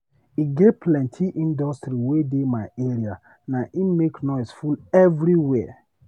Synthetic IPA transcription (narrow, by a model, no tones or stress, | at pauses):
iɡepʰlɛ̃ntʰiʔĩndɔstɾiwedemaɪeɾia | naʔimeknɔɪsfulɛvɾiwɛ